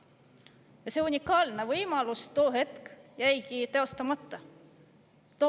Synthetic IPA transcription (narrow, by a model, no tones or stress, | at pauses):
jɑseunʲikːˑɑːlne̞vɤjmɑlust̪o̞ːɦe̞t̪kjæjkit̪e̞o̞st̪ɑmɑt̪ːɑ | t̪o